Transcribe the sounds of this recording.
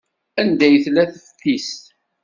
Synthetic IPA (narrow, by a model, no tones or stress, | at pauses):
ænd̪æjθlæθfθist̪